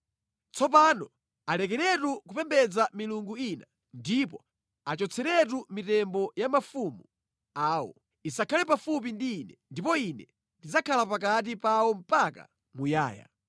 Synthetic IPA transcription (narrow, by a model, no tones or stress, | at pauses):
t͡sɔp̬anɔ | alɛkɛɾɛtukupɛmbɛd͡zamiluŋɡuina | ndip̬ɔ | at͡ʃɔt͡sʰɛɾɛt̬umitɛmbɔjamafumu | aːwɔ̰ | isakʰalɛpafup̬indiːnɛndipɔinɛ | ndid͡zakʰalapakat̬ipawɔm̩paka̰ | muja̰ːja̰